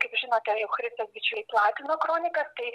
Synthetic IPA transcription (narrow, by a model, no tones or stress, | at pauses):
kɐɪpʒʲɪnoːt̪ʲɛjɛʊxɾʲɪst̪osbʲɪt͡ʃʲʊɪplˠɑːt̪ʲɪnoːkɾoːnʲɪkɐst̪ɐɪ